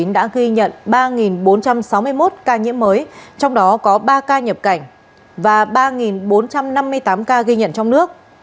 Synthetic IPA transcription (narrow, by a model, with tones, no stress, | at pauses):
i˨˦nɗa̰ː˧˥ɣi˧ɲə̰˧˨nɓaː˧ŋi˨˩nɓo˨˦nt͡ɕa˧msa˨˦wmɨ˧əjmo˦˥t̚kaː˧ɲḭ˧˥əmːəː˨˦jt͡ɕɔ˧wŋ͡mɗɔ˨˦kɔ˨˦ɓaː˧kaː˧ɲə˨˩p̚ka˧˩jŋ̟ | vaː˨˩ɓaː˧ŋi˨˩nɓo˨˦nt͡ɕa˧mna˧mːɨ˧əjt̪aː˨˦mkaː˧ɣi˧ɲə̰˧˨nt͡ɕɔ˧wŋ͡mnɨ˦˥ək̚